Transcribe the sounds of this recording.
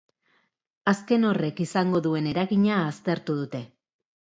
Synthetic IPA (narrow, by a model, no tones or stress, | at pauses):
aske̞no̞re̞kisaŋɡo̞ðue̞ne̞ɾaɣiɲaːst̪e̞ɾt̪uð̞ut̪e̞